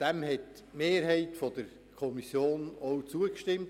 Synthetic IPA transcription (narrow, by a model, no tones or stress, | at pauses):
d̥æmhɛt | meːɾɦɛɪtfod̥əɾ | kʰɔmisjoːnɔwt͡suəkʃtɪmt